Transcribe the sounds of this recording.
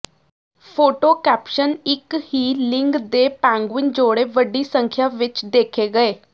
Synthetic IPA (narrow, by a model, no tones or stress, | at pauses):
fʰoːʈokæːpʃənɪkhiːlɪ̃ŋɡd̪epɛ̃ŋɡʋɪnd͡ʒoːɽeʋəɖːisə̃ŋkʰjaʋɪt͡ʃd̪eːkʰeɡəeː